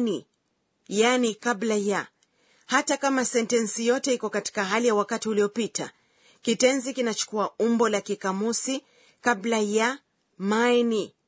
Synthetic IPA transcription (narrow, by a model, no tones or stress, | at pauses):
ni | janikablaja | hatakamasɛntɛnsijɔtɛikɔkati̥kaɦalijawakatiuliɔpita | kitɛnzikinat͡ʃu̥kuaumbɔlakikamusi | kablaja | mani